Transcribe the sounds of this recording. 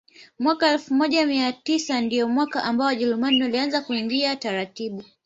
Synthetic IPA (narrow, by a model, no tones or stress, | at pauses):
mwakaɛlfumɔʄamiatisandijɔmwakaʔambaɔwaʄɛɾumaniwalianzakuiŋɡiataɾatiɓu